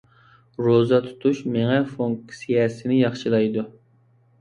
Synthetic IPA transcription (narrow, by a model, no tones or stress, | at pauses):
ɾozɑt̪ʰu̥t̪ʰuʃmeŋɛfoŋksijɛsɪnɪjɑχʃilˠɑjd̪u